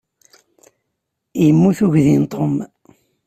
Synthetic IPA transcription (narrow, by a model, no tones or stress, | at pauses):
jəmːuθuʝðint̪ˤʰom